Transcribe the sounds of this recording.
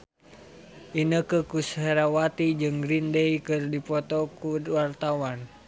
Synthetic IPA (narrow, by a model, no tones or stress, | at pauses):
ʔinəkəkusɦeɾawat̪id͡ʒɨŋɡɾindejkɨrdipɔt̪ɔkuwart̪awan